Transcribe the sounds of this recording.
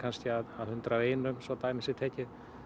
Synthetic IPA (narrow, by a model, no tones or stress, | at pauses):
kʰanscɪaðaðhʏnt̪ɾaeːjnʏmsɔt̪aːjmɪsɪt̪ʰɛːcɪð